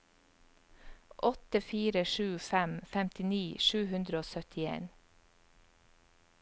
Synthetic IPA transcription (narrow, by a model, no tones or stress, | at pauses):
ʔɔt̪əfiːɾəʃʉːfæmfɛmt̪ɪniːʃʉːhʉnd̪ɾəoːsœt̪ɪḛːn